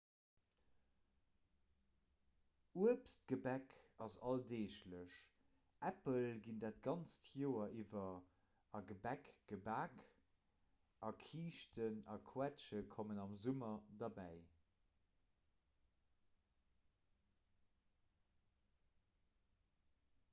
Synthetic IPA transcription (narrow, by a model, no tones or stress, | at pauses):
uəpst̚ɡ̥əbækɑzɑldeːʃləʃ | ʔæpəlɡindaːt̚ɡ̥ɑnt͡stʰjoːɐʔivɐ | ɑɡəbækɡ̥əbaːk | ʔɑkʰiːʃtʰənɑkʰwætʃəkʰomənɑmzumɐdɑbæɪ